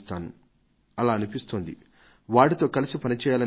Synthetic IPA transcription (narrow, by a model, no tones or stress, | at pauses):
t̪aːnu | ɐlaːɐnipist̪oːnd̪ḭ | ʋaːʈit̪o̞ːkɐlisipɐnit͡ʃɛːjaːlɐ